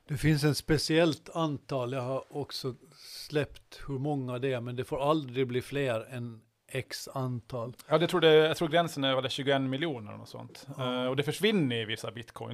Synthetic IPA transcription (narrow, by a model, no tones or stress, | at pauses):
d̪̥ɛfɪns̬ɛt̪spɛsɪɛlt̪ant̪ʰɑːljaɡhɑɾɔksɔslɛpt̪hɵɾmɔŋːəɑd̪ɛæɾmɛnd̪ɛfoːɾald̪ɾɪɡbliːfleːɾɛn | ɛksant̪ʰɑːljɑːd̪ɛt̪ʰɾuːɖɛjaɡt̪ɾuːɡɾɛnsənæɾvɑlɛɕʉ̟ːɡʊɛnːmɪlɪuːnə̰ɾɔ̰nɔ̰sɔ̰nt̪ɔd̪ɛfœʂvɪnːəɾɪvɪsːabɪt̪kʰɔ̰ɪ